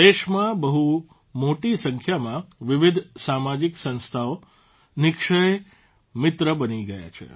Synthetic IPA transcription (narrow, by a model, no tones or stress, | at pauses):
eʃmãbəɦu | moʈisəŋkʰjamãʋɪʋɪd̪ʱsamad͡ʒiksə̃nst̪ʰao | nɪkʃəj | mɪt̪ɾəbəniɡəja̰t͡ʃʰḛ